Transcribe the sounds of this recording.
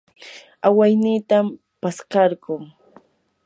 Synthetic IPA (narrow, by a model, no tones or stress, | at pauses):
awajniːt̪am | paskɑɾɢʊŋ